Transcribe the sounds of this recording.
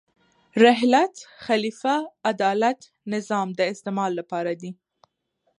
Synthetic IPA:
ɾɪɦlat̪xalifaːd̪ɑlat̪ | nɪzɑmd̪əɪst̪emɑlːapɑɾad̪i

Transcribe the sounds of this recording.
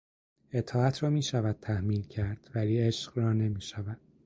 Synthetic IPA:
e̞t̪ʰɒːæt̪ʰɾɒːmiːʃævæd̪̥̚t̪ʰæhmiːlcʰæɾd̪̥væliːe̞ʃɢrɒːne̞miːʃævæd̪̥̚

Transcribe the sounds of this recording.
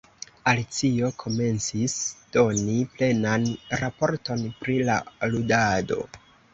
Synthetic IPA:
alit͡sio̞kʰo̞me̞nt͡sisd̥o̞niple̞nanɾapo̞ɾto̞npɾilaludado̞̰

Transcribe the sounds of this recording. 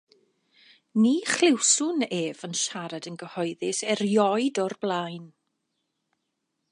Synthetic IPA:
niːχlɪwsʊneːvənʃaɾadənɡəhɔjðɪsɛrjɔɨdɔrblˠajn

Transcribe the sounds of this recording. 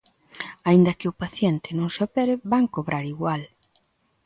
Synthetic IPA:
aind̪ɐkɪʊpaθjɛnt̪ɪnõŋsopɛɾɪbaŋkoβɾaɾiɣwal

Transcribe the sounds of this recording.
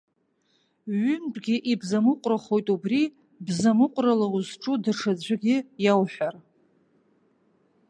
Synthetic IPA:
ɥʏmbʼɡʲɪʔibzamɨqʷʼraχo̞jtʼubri | bzamɨqʷʼralauzʈ͡ʂʼudaʂʰad͡ʑʷɪɡʲɪjawħʷᶣar

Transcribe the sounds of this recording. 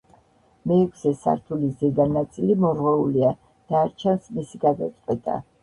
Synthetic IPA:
mɛɛkʷʰsɛsa̰ɾt̪ʰulizɛɡanat̪sʼilimɔɾʁwɛulia | d̪̥aːɾt͡ʃʰansmisiɡad̪a̰t̪sʼqʼwɛt̪ʰʼa̰

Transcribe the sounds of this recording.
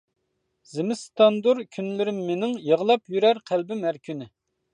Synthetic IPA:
zɪmɪst̪ɑnd̪uɾkʲʰynlɪɾɪmːenɪŋjəʁəlˠɑpjyɾæɾqʰælbɪmæɾkʰʲynɪ

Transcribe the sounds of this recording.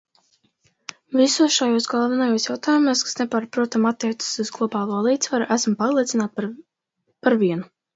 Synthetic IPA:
visuɔsʃajuɔsɡalˠvanajuɔsjawt̪aːjumuɔskḁsnepaːɾpɾuɔt̪amat̪ːiɛt̪sɨ̥suzɡlˠɔbaːlˠuɔlˠiːt̪svaɾuʔæsmpaɾlˠiɛt̪sinaːt̪̚ | paɾviɛnu

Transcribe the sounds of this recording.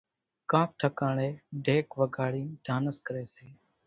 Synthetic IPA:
kãːk̚ʈʰəkãːɽeːɖʱeːkʋəɡʱaːɽiːɖʱaːnəskəɾeːseː

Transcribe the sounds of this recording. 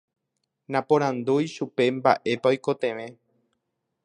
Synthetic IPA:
nãpõɾ̃ãnd̪ujʃupe̞mba̰ʔe̞paojko̞t̪ẽ̞ʋẽ̞

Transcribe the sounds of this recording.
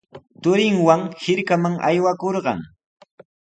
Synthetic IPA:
t̪ʊɾɪŋwaŋhɪɾkamaŋʔa̰jwakoɾɢɑ̰ŋ

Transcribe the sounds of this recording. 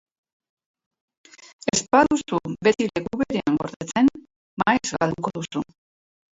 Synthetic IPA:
espaðusube̞t̪ile̞kuβeɾeaŋɡo̞ɾðet͡se̞n | majzɣald̪uko̞ðusu

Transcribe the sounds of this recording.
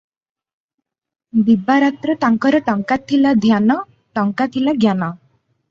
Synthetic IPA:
bibaɾat̪ɾɔʈaŋkɔɾɔʈɔŋkat̪ʰilad̪ʱjanɔ | ʈɔŋkat̪ʰilaɡjanɔ

